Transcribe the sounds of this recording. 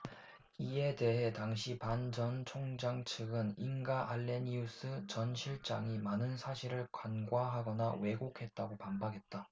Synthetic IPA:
ie̞de̞ɦe̞taŋɕʰipand͡ʑʌnt͡ɕʰoŋd͡ʑaŋt͡ɕʰɯɡɯninɡaʔaɭːe̞nius͈ʰɯt͡ɕʌnɕʰiɭt͡ɕ͈aŋimanɯnsʰaɕʰiɾɯɭkwanɡwaɦaɡʌnawe̞ɡokʰe̞t̚t͈aɡopambakʰe̞t̚t͈a

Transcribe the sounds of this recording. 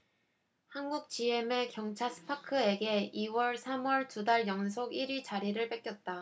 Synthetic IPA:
hanɡuk̚t͡ɕie̞me̞kjʌŋt͡ɕʰaɭsʰɯ̥pʰakʰɯe̞ɡe̞iwʌɭsʰamwʌɭtudaɭjʌŋsʰoɡiɾit͡ɕaɾiɾɯɭp͈ek͈jʌt̚t͈a

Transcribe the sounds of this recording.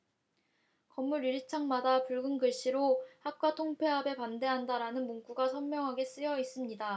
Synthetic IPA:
kʌmːuɾiɾit͡ɕʰaŋmadapuɭɡɯnɡɯɭɕ͈iɾohak̚k͈watʰoŋpʰe̞ɦabe̞pande̞ɦandaɾanɯnmoŋk͈uɡasʰʌnmjʌŋɦaɡe̞s͈ɯjʌis͈ɯmɲida

